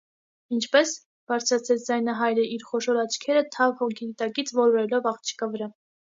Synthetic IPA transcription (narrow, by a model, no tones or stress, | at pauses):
int͡ʃʰpɛs | b̥ɑɾt͡sʰɾɑt͡sʰɛt͡sʰd͡zɑjnɑɦɑjɾəiɾχɔʃɔɾɑt͡ʃʰkʰɛɾət̪ʰɑvhɔkʰiit̪ɑkit͡sʰvɔɾɔɾɛlɔvɑχt͡ʃʰi̥kɑvəɾɑ